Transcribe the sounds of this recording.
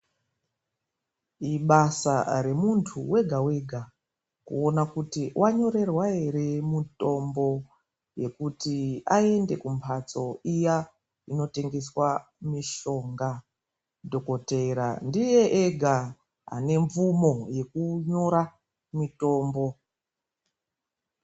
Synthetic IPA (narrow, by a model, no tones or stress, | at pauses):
iɓasa̰ɾe̞muntʰuwe̞ɡʱawe̞ɡʱa | kṵonakutiwʔaɲo̞ɾe̞rwae̞ɾemito̞mbo̞ | je̞kutiae̞nde̞kumpʰat͡so̞ija | ino̞te̞ŋɡe̞swa | miʃo̞ŋɡa | dʱo̞ko̞teɾa̰ndije̞ʔeɡʱa | ɦa̰ne̞ɱvumo̞je̞kuɲo̞ɾa | mito̞ːmbo̞